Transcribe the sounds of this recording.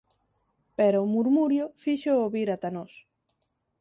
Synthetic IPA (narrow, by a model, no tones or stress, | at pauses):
peɾomuɾmuɾjofiʃooβiɾat̪anos